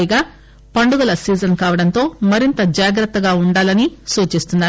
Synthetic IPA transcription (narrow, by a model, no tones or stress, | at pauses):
jɡaː | pɐɳɖuɡɐlɐsiːd͡ʒɐnkaːʋɐɽɐnt̪o̞ːmɐɾint̪ɐd͡ʒaːɡɾɐt̪ːɐɡaːuɳɖaːlɐnisuːt͡ʃist̪unːaːɾ